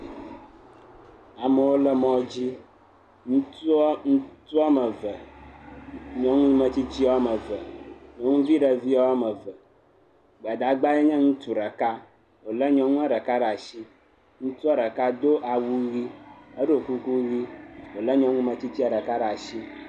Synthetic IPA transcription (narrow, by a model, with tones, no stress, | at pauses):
a˨mə˨wo˦lə˦mɔ̃˦d͡ʑi˦ | ŋũ˦t̪u˦ɔ˦ŋũ˦t̪u˦a˦mə˨və˨ | ɲɔ̃˨ŋũ˦mə˨t͡ɕi˦t͡ɕi˦a˦mə˨və˨ɲɔ̃˨˦ŋũ˦vi˦ɖə˨vi˦a˦wa˦mə˨və˨ | ɡ͡ba˨d̪a˨ɡ͡ba˦jɛ˦ɲɛ̃˦ŋũ˦t̪u˨ɖə˨ka˦ | wo˨lə˦ɲɔ̃˨ŋũ˦a˦ɖə˨ka˦ɖa˨ʃi˦ | ŋũ˦t̪u˦a˦ɖə˨ka˦d̪o˦ʔa˨wu˦ɣi˦ə˦ɖo˨ku˦ku˦ɣi˦wo˨lə˦ɲɔ̃˦ŋũ˦mə̃˨t͡ɕi˦t͡ɕi˦a˨ɖə˨ka˦ɖa˨ʃi˦